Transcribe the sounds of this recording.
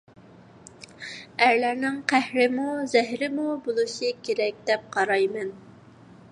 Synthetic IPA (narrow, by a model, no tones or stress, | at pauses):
æɾlæɾnɪŋqʰæhɾɪmuzɪɦɾɪmubolˠuʃɨkʲʰeɾɛk̚ʲd̪ɛp̚qʰɑɾɑjmɛn